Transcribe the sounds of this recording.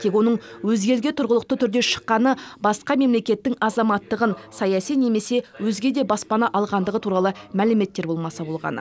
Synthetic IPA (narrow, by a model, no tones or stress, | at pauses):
t̪ʰekʲwo̞nəɴwɵzɡʲe̞lɡʲet̪ʰʊɾʁəlˠəq̚t̪ət̪ʰʏɾd̪e̞ʃə̥qːɑnəbɑsqɑme̞mle̞kʲe̞t̪ːɪŋɑzɑmɑt̪ːəʁənsɑjɑsijne̞me̞se̞wɵzɡʲe̞d̪e̞bɑspɑnɑʔɑlˠʁɑnd̪əʁət̪ʰuɾɑlˠəmælɪme̞t̪ːe̞ɾbo̞lˠmɑsɑbo̞lˠʁɑ̰nə̰